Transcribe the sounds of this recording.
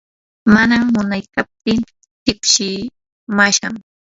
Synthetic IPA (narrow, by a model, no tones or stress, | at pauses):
manamːʊnajkap̚t̪ɪn | tɪkʃɪ | maʃam